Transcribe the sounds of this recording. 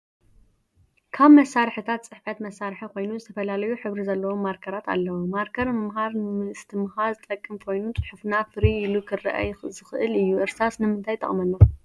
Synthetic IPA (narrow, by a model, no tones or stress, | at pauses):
kʰaβmɐsːaɾħɨt̪ʰat̪t͡sʼɨħfat̪mɐsːaɾħiko̞jnuzɨt̪ʰɐfɐlalɐjuħɨβɾizɐlːɐwo̞mːaɾkʰɐɾat̪a̰lːɐwomaɾkʰɐɾmɨmɦaɾnɨmɨʔɨst̪ʰɨmɨhazɨt̪ʼɐkʼːɨmkʰo̞jnut͡sʼɨ̥ħɨfnafɨɾiːlukʰɨrɐ̰ʔa̰jxzɨxɨʔɨlɨjːuʔɨɾsasnɨmɨnt̪ʰajt̪ʰʼɐ̰χʼmɐnːa